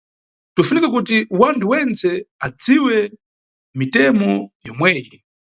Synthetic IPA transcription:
tufunikɛk̬ut̬iwantʰuwɛnt͡sɛad͡ziwɛ | mitɛmɔjɔmwɛːjɛ

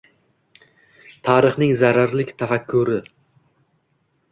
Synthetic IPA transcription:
t̪ʰɑːɾɨχnɪŋzaɾaɾlɪkʲt̪ʰafakʲʰːʊɾɪ

